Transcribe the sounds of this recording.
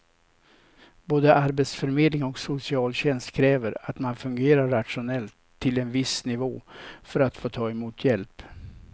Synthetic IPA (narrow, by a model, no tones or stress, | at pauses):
boːd̪əʔaɾbet̪sfœɾmeːd̪lɪŋɔksʊsɪɑːlɕɛnst̪kʰɾɛːvəɾat̪manfɵŋɡeːɾaɾːat̪ʂʊnɛlt̪ʰːɪlɛnvɪsnɪvoːfœɾat̪foːt̪ʰɑːɛmuːt̪ʰjɛlp